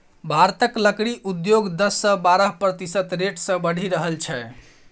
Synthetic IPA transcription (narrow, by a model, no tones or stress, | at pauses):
bʱaɾt̪əkləkɽiʔud̪joɡd̪əsːə̃baɾəɦpɾət̪isət̪ɾeʈsə̃bəɽ̤ʱiɾəɦəlt͡ʃʰɛ